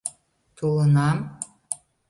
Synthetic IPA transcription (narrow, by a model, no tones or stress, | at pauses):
t̪ulənɑm